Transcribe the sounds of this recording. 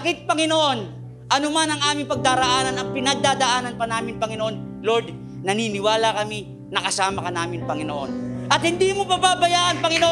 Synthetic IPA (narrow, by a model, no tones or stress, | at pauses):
kɪt̪̚pɐŋɪnoʔo̞n | ʔɐnomanɐŋʔaːmɪŋpɐɡ̚d̪aːɾɐʔaːnɐnɐŋpɪnɐɡ̚d̪aːd̪ɐʔaːnɐnpɐnaːmɪnpɐŋɪnoʔo̞n | loɾd̪̚ | nɐniːnɪwaːlɐkɐmi | nɐkɐsaːmɐkɐnaːmɪnpɐŋɪnoʔo̰nʔɐt̪̚hɪnd̪iːmopɐbaːbɐjaːʔɐnpɐŋɪnoʔ